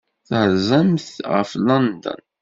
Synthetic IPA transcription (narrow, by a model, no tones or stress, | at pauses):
θhəɾzæmθʁə̰flɑnd̪ə̰n